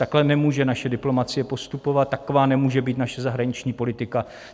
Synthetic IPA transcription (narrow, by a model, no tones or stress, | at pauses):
t̪aklɛnɛmuːʒɛnaʃɛdɪplo̞mat͡sɪjɛpo̞st̪upo̞vat̪ːakovaːnɛmuːʒɛbiːt̪naʃɛzaɦɾaɲɪt͡ʃɲiːpo̞lɪt̪ɪka